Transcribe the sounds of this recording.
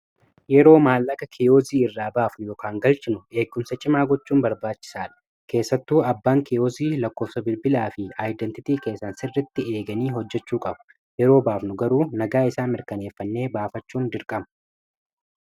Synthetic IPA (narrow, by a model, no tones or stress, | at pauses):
jɛɾo̞ːmaːlːɐkɐkʰɪjoːziːɪrːaːbaːfnʊjɔːkʰaːŋɡɐlt͡ʃʼɪnʊe̞ːɡʊmsɐt͡ʃʼɪmaːɡɔt͡ʃːuːnbɐɾbaːt͡ʃːɪ̥saːᶑɐ̥ | ke̞ːsːɐt̪ːuːɐbːaːŋkɪjoːziːlɐkːo̞ːfsɐbɪlbɪlaːfɪaːjd̪ɛnt̪ɪt̪iːke̞ːsːɐnsɪrːɛt̪ːɪeːɡɐniːɦɔd͡ʒːɛt͡ʃːuːkʼɐbʊ̥ | jɛɾo̞ːbaːfnʊɡɐɾuːnɐɡaːɪsaːnmɪɾkɐne̞ːfːɐnːe̞ːbaːfɐt͡ʃːuːnd̪ɪɾkʼɐmɐ̥